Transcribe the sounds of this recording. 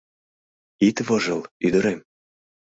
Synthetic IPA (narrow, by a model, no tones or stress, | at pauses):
it̪vɤ̆ʒɤlyd̪ə̆ɾem